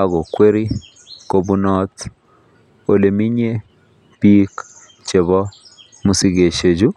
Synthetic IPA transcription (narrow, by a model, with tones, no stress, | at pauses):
aɣo˨kwe˦ɾi˦ | ko˨bu˦nɔt | o˨le˨mi˦ɲe˦ | b̥i˦k | t͡ʃe˨βɔ˦ | mu˨si˨ɣe˨ʃe˨d͡ʒu˦